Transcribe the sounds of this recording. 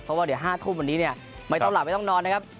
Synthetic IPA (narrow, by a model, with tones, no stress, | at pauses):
pʰɔ˦˥waː˧˩di˩˦ɦaː˥˩t̪ʰuː˥˩mwa˧nːiː˦˥ni˥˩ɐ | ma˧˩j̪ɔ˥˩ŋla˨˩ma˥˩t̪ɔ˥˩ŋnɔː˧nːa˥kʰa˦˥p̚